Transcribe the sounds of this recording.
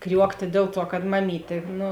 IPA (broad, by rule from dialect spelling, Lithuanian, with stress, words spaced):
ˈkrʲuɔktʲeː ˈdʲeːlˠ ˌtuɔ kɐt mɐˈmʲiːtʲeː ˈnʊ